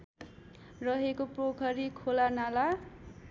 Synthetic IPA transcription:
rʌɦekoprokʰʌɾikʰolanala

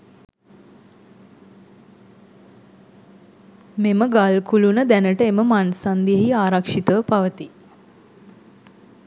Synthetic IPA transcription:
meməɡalkulunəd̪ænəʈəeməmansand̪ijəɦiaːɾakʂit̪əʋəpaʋət̪i

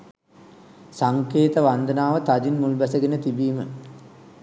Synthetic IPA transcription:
saŋkeːt̪əʋand̪ənaːʋət̪ad͡ʒinmulbæsəɡenət̪ibiːmə

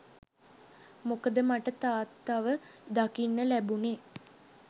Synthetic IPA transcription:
mokəd̪əmaʈət̪aːt̪ːaʋəd̪akinːəlæbuneː

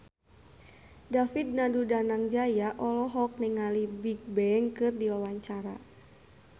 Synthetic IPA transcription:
dafid̚nadudanaŋd͡ʒajaʔɔlɔɦɔk̚nɪŋalibiɡ̚bɛŋkɨrdiwawaɲt͡ʃaɾa

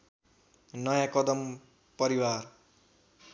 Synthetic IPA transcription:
nʌjãkʌd̪ʌm | pʌɾiwar

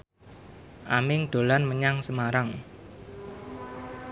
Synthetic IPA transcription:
ʔamɪŋɖ̪̥o̤lanməɲaŋsəmaɾaŋ

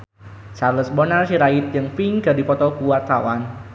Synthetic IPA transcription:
sarləsbɔnarsiɾaɪt̪̚jəŋfiŋɡadipɔt̪ɔkuwart̪awan

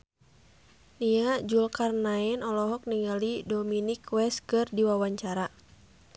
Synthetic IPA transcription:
niad͡ʒulkarnaɛnɔlɔɦɔk̚niŋalidɔminikwɛskɨrdiwawaɲt͡ʃaɾa

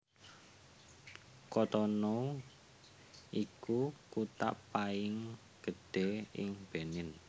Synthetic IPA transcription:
kɔt̪ɔnɔ | ʔikukut̪a̰ʔpaɪŋ | ɡ̥ə̤d̪̥e̤ɪ̰ŋb̥e̤nɪn

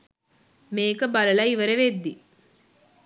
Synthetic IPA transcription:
meːkɐbɐlɐlɐiʋɐɾeʋed̪ːi

